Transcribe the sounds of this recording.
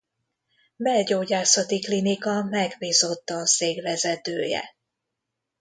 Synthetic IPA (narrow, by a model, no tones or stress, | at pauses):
bɛlɟoːɟaːsɒt̪iklinikɒmɛɡbiːzo̞t̪ːɒːseːɡvɛzɛt̪øːjɛ̰